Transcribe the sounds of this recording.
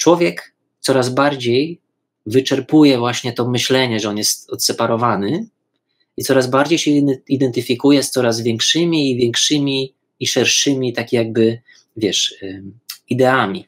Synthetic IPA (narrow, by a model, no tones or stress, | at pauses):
t͡ʂwɔvʲjɛk | t̪sɔɾazbaɾd͡ʑej | vɘt͡ʂɛɾpujɛvwaɕɲɛt̪ɔmɘɕlɛɲɛʐɛɔnjɛst̪ɔt̪sɛpaɾɔvanɘ | it̪sɔɾazbaɾd͡ʑejɕɛid̪ɛnt̪ɘfʲikujɛst̪sɔɾazvʲjɛŋkʂɘmʲiːvʲjɛŋkʂɘmʲiː | ʂɛɾʂɘmʲit̪akʲjaɡ̚bɘ | vʲjɛʂ | id̪ɛamʲi